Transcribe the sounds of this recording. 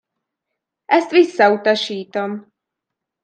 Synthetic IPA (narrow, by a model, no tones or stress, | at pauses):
ʔɛst̪ʋisːɒut̪ɒʃiːt̪om